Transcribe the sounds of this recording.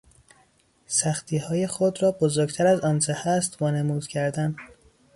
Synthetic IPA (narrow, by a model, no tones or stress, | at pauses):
sæxt̪ʰiːhɒːje̞xod̪ɾɒːbozoɾɟt̪ʰæɾæzɒːnt͡ʃʰehæst̪vɒːnemuːd̪̥cʰæɾd̪æn